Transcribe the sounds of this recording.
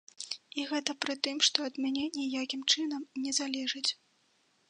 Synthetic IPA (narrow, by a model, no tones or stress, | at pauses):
iɣɛt̪ɐpɾɨt̪ɨmʂt̪ɔɐd̪mʲanʲɛnʲɛjakʲimt͡ʂɨnɐmnʲɛzalʲɛʐɨt͡sʲ